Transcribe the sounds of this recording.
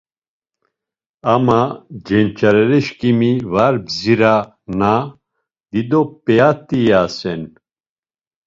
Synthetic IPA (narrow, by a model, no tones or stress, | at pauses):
amad͡ʒɛnt͡ʃʰʼaɾɛɾɛʃkʼimivaɾbziɾa | na | d̪̥id̪ɔpʼɛat̪ʼijasɛn